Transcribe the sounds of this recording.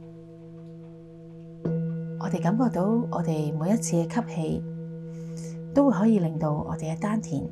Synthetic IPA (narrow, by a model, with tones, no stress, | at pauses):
ʔɔː˨˧t̪e˨jkɐ˨˥mkɔː˧k̚t̪o˨˧˥wɔ̰ː˨˧t̪e˨jmu˨˧jɐ˥t̚t͡sʰiː˧kɛ˧kʰɐ˥p̚he˧j | t̪o˥wjɦɔː˨˥jiː˨˧lɪ˨ŋt̪o˧wɔ̰˨˧t̪e˨jkɛː˧t̪aː˥nt̪ʰḭː˨˩n